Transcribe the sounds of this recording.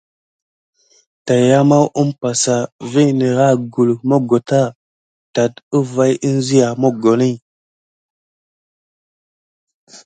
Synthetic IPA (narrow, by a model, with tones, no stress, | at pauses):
ta˨ja˦ma˦wʔu˦mpa˨sa˨vi˦˨nə˨ɾa˦˨ɡu˨lmo˦ɡo˨ta˦˨ | ta˨tə˦va˦ji˦n˦zi˦ja˨mo˦ɡo˨ni˦˨